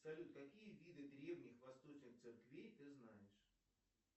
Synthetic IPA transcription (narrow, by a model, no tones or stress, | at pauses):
sɐlʲut̪kɐkʲijəvʲid̪ɨd̪ɾʲe̞vnʲɪxvɐst̪o̞t͡ɕnɨxt̪sɨrkvʲejt̪ɨznajɪʂ